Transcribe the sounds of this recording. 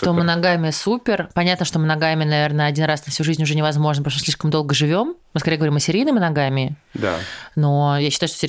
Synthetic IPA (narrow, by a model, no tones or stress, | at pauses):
ʂt̪omɨnɐɡamʲɪsupʲɪrpɐnʲat̪nəʂt̪o̞mɨnɐɡamʲɪnɐvʲe̞rnəɐdʲinɾasnəfsʲuʐɨzʲnʲʊʐɛnʲɪvɐzmo̞ʐnpɾoʂmɨsʲlʲiʂkəmd̪o̞lˠɡəʐɨvʲo̞mmɨskɐɾejɡvɐɾiməsʲɪɾʲijnɨmʲɪnɐɡamʲɪd̪a̰no̞jaɕːɪt̪aʊʂt̪osʲɪ